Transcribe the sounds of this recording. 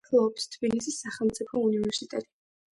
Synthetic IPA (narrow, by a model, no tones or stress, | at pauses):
kʰlˠɔːpst̪ʰbilisisːaχɛlˠmt̪sʼipʰɔunivɛɾsit̪ʼɛt̪ʼi̥